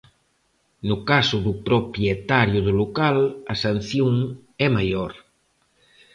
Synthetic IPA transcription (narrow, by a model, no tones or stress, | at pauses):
nukasuðupɾopɾjet̪aɾjuðulukalɐsɐn̟θjuŋɛmajɔɾ